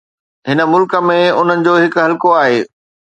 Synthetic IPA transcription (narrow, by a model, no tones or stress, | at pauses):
ɦɪnə̆mʊlkə̆mẽʊn̤ənɪ̆d͡ʑoːɦɪkɦɐlkoaːɦeː